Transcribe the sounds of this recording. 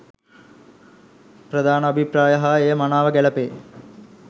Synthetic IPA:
pɾɐd̪aːnəɐbʱipɾaːjɐɦɐeːmanaːʋɐɡɛlɐpeː

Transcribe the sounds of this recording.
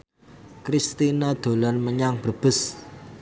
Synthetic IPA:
kɾist̪inad̪̥o̤lanməɲaŋb̥əb̥ʊ̤s

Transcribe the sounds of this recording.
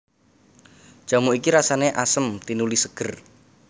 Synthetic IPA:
ʒ̥a̤muikiɾasaneʔasəmt̪inulisəɡ̥ə̤r

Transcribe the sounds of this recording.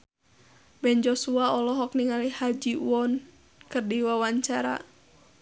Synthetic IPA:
bɛnd͡ʒɔsuaɔlɔɦɔk̚niŋalihad͡ʒiṵɔn | kɨrdiwawaɲt͡ʃaɾa̰

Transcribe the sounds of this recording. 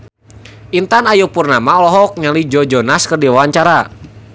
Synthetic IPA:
ʔint̪anajupurnamaɔlɔɦɔk̚ɲalid͡ʒɔd͡ʒɔnaskɨrdiwawaɲt͡ʃaɾa

